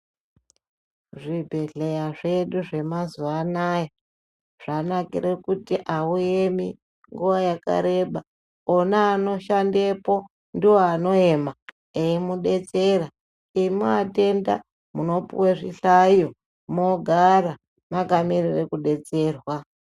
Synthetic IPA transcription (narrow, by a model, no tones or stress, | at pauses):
ʐibʱe̞ɮejaʐe̞ɗuʐe̞mazuanaja | ʐ̥anakḭre̞kutiʔauemi | ŋɡuʋajaka̰ɾe̞ɓa | onaːno̞ʃande̞po̞ | ndiwoano̞e̞ma | eimuɗe̞t͡sera | imuate̞nda̰ | muno̞pṵweʐḭɬaijo | mo̞ɡʱaɾa | makamirire̞kuɗe̞t͡se̞ːrwa